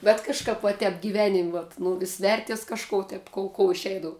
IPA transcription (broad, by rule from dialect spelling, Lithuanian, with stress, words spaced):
bʲɛt kɐʃˈkɐp ʋɐ ˈtʲɛp ɡʲiːˈʋʲæːnʲɪmʲ ʋɐt ˈnʊ ʋʲɪs ˈʋʲɛrʲtʲiɛs kɐʃˈkoː tʲɛp ˈkoːʊ koːʊ ɪˈʃʲɛɪdɐʋʊ